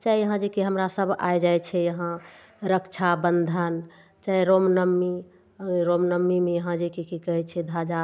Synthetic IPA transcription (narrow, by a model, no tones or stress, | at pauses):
t͡ʃaijəɦãd͡ʒekiɦəmɾasəbʱa̰ed͡ʒajt͡ʃʰɛjəɦã | ɾəkt͡ʃʰabənd̪ʱən | t͡ʃaiɾomnəmːi | ɾomnəmːimejəɦãd͡ʒekikikəɦɛt͡ʃʰɛd̪ʱad͡ʒa